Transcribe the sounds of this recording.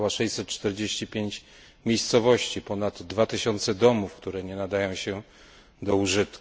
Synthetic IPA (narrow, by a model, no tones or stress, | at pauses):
waʂɛjsɛt̪̚t͡ʂt̪ɛɾd͡ʑeɕt͡ɕipʲjeɲt͡ɕ | mʲjejst̪sɔvɔɕt͡ɕipɔnad̪ːvat̪ɘɕɔnt̪sɛd̪ɔmufkt̪uɾɛɲɛnad̪ajɔ̃w̃ɕɛ | d̪ɔuʐɘt̪k